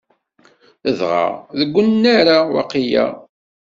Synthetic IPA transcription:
əðʁa̰ðəɡʷːənnːaɾawɑ̰qijæ̰

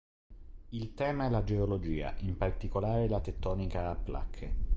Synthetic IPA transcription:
ilt̪ɛːmaɛlad͡ʒeolod͡ʒiːa̰ʔimpart̪ikolaːɾelat̪et̪ːɔːnikaːpːla̰kʰːe

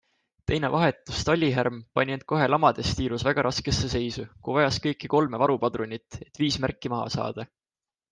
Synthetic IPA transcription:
t̪e̞jne̞̰vʔɑɦe̞t̪ːˑust̪ɑlʲːiɦærmpɑnʲinend̪̥̚ko̞ɦe̞lɑmɑd̪̥e̞st̪iːɾusvæɡ̥ɑɾʔɑske̞sːe̞se̞jsukuvɑjɑskɤ̞jkːˑiko̞lmevɑɾupɑd̪ɾonʲit̪ːˑe̞t̪ːˑviːsmærkˑːimɑɦɑ̰sɑ̰ːd̪̥ɑ

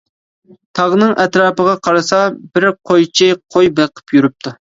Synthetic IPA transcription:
t̪ʰɑʁnɨŋʔɛt̪ɾɑːpəʁɑqʰɑɾɨsɑbɪɾqʰojt͡ʃʰɪqʰojbeqʰə̥pʰjyɾyp̚t̪ʰu

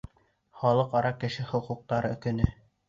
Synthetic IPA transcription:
χɑlˠɤqɑɾɑkɘ̆ʃɘχŏquq̚t̪ɑɾɤkɵ̆nɘ

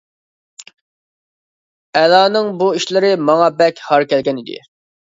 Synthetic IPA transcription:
ɛlɑːnɨŋbuiʃlɪɾɪmɑŋɑbɛkʲhɑɾkʲɛlɡʲɛnid̪ɪ̰

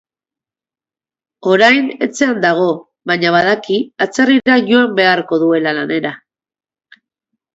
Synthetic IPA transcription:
o̞ɾajne̞t͡se̞and̪aɣ̞o̞ | βaɲaβaðakiat͡seriɾaʝo̞ambe̞aɾko̞ðue̞lalane̞ɾa

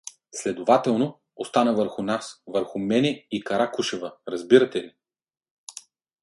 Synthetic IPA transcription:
slɛd̪ovat̪ɛlˠno | ost̪anəvəɾxʊnasvəɾxʊmɛnɛikɐɾakuʃɛvəɾɐzbiɾɐt̪ɛli

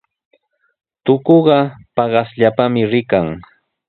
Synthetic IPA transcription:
t̪ʊkoɢɑpɑɢɑsʎapamɪɾɪkaŋ

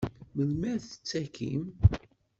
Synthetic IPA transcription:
məlmæθə̥t͡sːækḭm

